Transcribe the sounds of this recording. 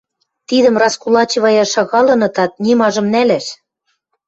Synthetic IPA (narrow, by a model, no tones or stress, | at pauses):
t̪id̪ə̆mrɑskulɑt͡ɕiβɑjɑʃɑɣɑlɤ̆nɤ̆t̪ɑt̪̚nʲimɑʒɤ̆mnælæʃ